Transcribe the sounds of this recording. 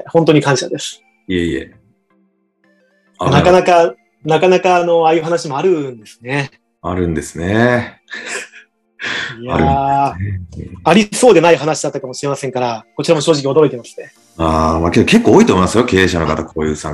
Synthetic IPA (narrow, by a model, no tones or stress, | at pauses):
hõ̞nt̪̬o̞ɲ̟ikãɰ̃ɕad̪e̞sɨ̥ | ieiḛ | anakanaka | nakanakaːno̞ajɯ̟ːɦanaɕimo̞aɾɯ̟nd̪e̞sɨ̥ne̞ | aɾɯ̟̃nd̪e̞sɨne | ijaa̰ɾɯ | aɾʲiso̞ːd̪e̞naiɦanaɕid̪at̪ːakamoɕiɾe̞masẽ̞ŋkaɾako̞t͡ɕiɾamo̞ɕoːʑik̬ʲio̞d̪o̞ɾo̞it̪emasɨ̥t̪ːe | aːmaked̪oke̞kːoːit̪omimasɨjo̞kʲe̞ːɕano̞kat̪akʰoːjɯːsã̰ŋ